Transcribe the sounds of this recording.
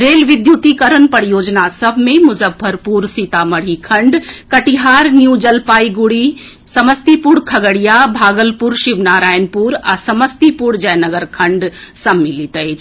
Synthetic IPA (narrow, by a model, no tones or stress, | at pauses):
ɾeːlʋɪd̪juːt̪ikəɾənpəɾjoːd͡ʒnasɐbʱmẽmʊzəbʰʱːəɾpuːɾsit̪amɐɽ̤ikʰɐ̃ɳɖkɐʈiɦaːɾnjuːd͡ʒɐlpaːiɡʊɽi | sɐməst̪ipuɽkʰɐɡəɽijabʱaːɡəlpuɾʃɪʋnaːɾaːjənpuɾa̰sɐməst̪ipuɽd͡ʒɐjnəɡəɾkʰɐ̃ɳɖsɐmːɪlit̪əet͡ʃ